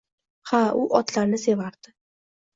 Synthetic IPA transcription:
haʊʔɒt̪laɾnɪse̞vaɾd̪̥ɪ

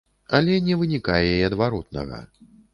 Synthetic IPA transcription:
ɐlʲɛnʲɛvɨnʲikajɛiɐd̪vaɾɔt̪̚nɐ̰ɣɐ̰

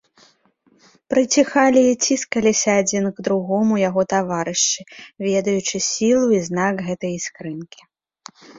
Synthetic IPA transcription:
pɾɨt͡sʲixalʲiːt͡sʲiskɐlʲisʲɐːd͡zʲinɡd̪ɾuɣɔmujaɣɔt̪avaɾɨʂt͡ʂɨvʲɛd̪ɐjut͡ʂɨsʲilˠuiznaɡɣɛt̪ɐjiskɾɨnkʲi̥

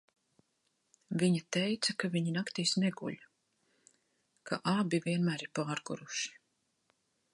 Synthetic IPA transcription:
viɲat̪ɛjt̪sɐkaviɲinakt̪iːsnɛɡṵʎ | kaʔabiviɛnmæːɾiɾpaːɾɡuɾuʃi̥

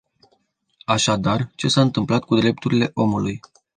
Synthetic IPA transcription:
aʃad̪art͡ʃe̞saɨnt̪ɨmplat̪̚kud̪ɾe̞p̚t̪uɾile̞ʔo̞muluj

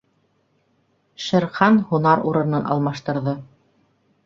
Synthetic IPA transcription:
ʃɘ̆ɾχɑnhunɑɾuɾɤ̆nɤnɑ̰lˠmɑʃt̪ɤ̆ɾðɤ

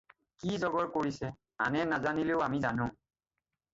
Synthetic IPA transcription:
kizɔɡɔɹkoɹisɛ | a̰nɛnazanileʊamizanʊ̃

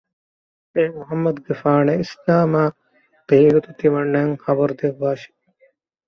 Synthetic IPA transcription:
eːmuɦɐmːɐd̪ɡefaːneislaːmaː | b̥eːɡut̪ut̪iʋɐɳːɐŋxɐbɐɾud̪eʋːaːʃi̥

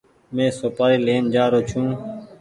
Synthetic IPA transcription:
mẽːsoːpaːɾiːleːnd͡ʒaːɾoːt͡ʃʰũː

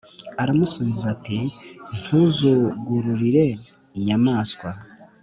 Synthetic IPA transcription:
aɾamusuβizatin̥huzuɡuɾuɾiɾe̞ | iɲamaːskwa

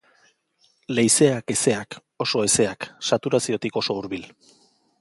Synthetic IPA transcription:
le̞jse̞ake̞se̞ak | o̞so̞e̞se̞aksat̪uɾasio̞t̪iko̞so̞uɾβil

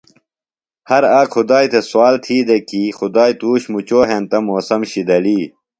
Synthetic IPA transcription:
hɐɾaːkxʰud̪aːjt̪ʰeswaːlt̪ʰiːd̪ekiːxud̪aːjt̪uːɕmut͡ɕoːɦent̪ɐmoːsɐmɕid̪ɐliː

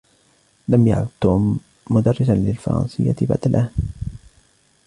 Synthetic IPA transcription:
lamja̰ʕt̪ʊmː | ʊd̪ɑrˤːɪsanlɪlfɑ̰ɾˤɑ̰nsɪjːa̰t̪ba̰t̪alʔah

